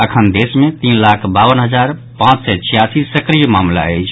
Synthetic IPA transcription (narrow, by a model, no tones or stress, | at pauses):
əkʰənd̪esmet̪inlakʰbawənɦəd͡ʒaɾ | pãt͡ʃsɛt͡ʃʰijasisəkɾijəmamla̰ə̰jt͡ʃʰ